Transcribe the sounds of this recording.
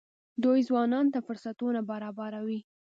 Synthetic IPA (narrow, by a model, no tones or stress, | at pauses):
d̪ujzwɑnɑnt̪afʊɾsat̪unabaɾɑbaɾawi